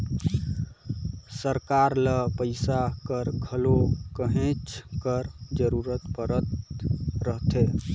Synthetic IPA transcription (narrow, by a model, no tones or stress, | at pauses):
səɾkaɾləpəɪsakəɾɡʱəlokəɦẽt͡ʃʰkəɾd͡ʒəɾuɾət̪pəɾət̪ɾəɦt̪ʰe